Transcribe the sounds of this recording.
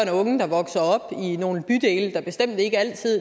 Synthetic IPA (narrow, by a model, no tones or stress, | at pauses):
nɔ̽ŋ̩d̥ɑ̈ʋɒ̽ɡ̥sɐɒ̽b̥ino̝ːn̩b̥yd̥e̝̰ːld̥ɑ̈b̥e̝sd̥em̰d̥əe̝ɡ̥əæl̰t͡sʰið̰ˠ